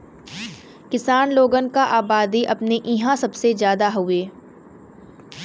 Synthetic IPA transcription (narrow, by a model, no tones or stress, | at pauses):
kɪsaːnloːɡənkaʔaːbaːd̪iʔɐpneʔɪɦãsɐbsezjaːd̪aɦʊeː